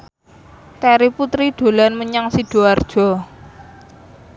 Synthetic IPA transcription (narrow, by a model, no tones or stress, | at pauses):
kɛɾiput̪ɾiɖ̪̥o̤lanməɲaŋsiɖ̥o̤ard̥ʒ̥ɔ̤